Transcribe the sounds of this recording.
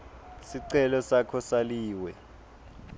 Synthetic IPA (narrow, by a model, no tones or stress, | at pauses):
siǀɛlɔsakʰɔsaliːwɛ